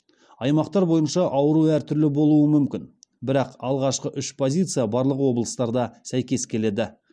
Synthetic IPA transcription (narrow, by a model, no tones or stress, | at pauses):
ɑjmɑqt̪ɑɾbo̞jənʃɑʔɑwəɾuæɾt̪ʰʏɾlɪbo̞lˠuəmʏmkʲɪnbɪɾɑqɑlˠʁɑʃqəʔʏʃpʰo̞zʲijt̪sɨjabɑɾlˠəqwo̞blˠəst̪ɑɾd̪ɑsæjkʲe̞skʲʰe̞le̞d̪ɪ